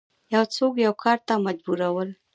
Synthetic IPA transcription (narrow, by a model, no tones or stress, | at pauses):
jawt͡sokjawkʰɑɾt̪amad͡ʒbuɾawəl